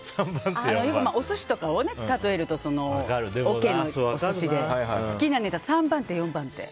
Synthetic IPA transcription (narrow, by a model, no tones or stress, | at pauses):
sãmbãnt̪eanojokkɯmao̞soɕi̥t̪o̞kaonet̪at̪o̞e̞ɾɯ̟t̪o̞so̞no̞kaɾɯd̪eokẽ̞nːooosɕid̪eassɨ̥kʲinane̞t̪asãmbãnt̪ejõ̞mbãnt̪e̞̰